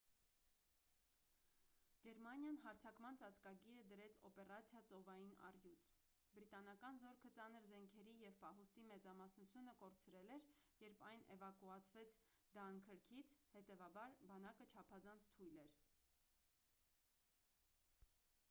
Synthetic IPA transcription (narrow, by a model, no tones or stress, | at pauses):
ɡ̥ɛɾmɑnjɑnɦɑɾt͡sʰɑkmɑnt͡sɑt͡skɑɡiɾəd̪əɾɛt͡sʰɔpɛrɑt͡sʰjɑt͡sɔvɑjinɑ̰rjut͡sʰ | bɾit̪ɑnɑkɑnzɔɾkʰət͡sɑnəɾzɛŋkʰɛɾijɛvpɑɦust̪imɛt͡sɑmɑsnut͡sʰjunəkɔɾt͡sʰɾɛlɛɾjɛɾpʰɑjnʔɛvɑkuɑt͡sʰvɛt͡sʰd̪ɑŋkʰəɾkʰit͡sʰhɛt̪ɛvɑbɑɾbɑnɑkət͡ʃʰɑpʰɑzɑnt͡sʰt̪ʰujlɛɾ